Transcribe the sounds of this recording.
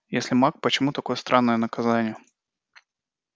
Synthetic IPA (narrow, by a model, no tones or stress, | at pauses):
jesʲlʲɪmak̚pət͡ɕɪmut̪ɐko̞jəst̪ɾʔanːəjənəkɐzanʲɪjə